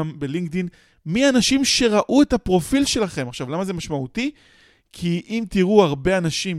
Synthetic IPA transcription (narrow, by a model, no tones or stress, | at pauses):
mbeliŋɡ̚d̪in | mianaʃimʃe̞ʁaʔuetapʁo̞filʃe̞laχe̞maχʃavlamaze̞maʃmaut̪i | kʰiʔimt̪iʁuaʁbe̞anaʃim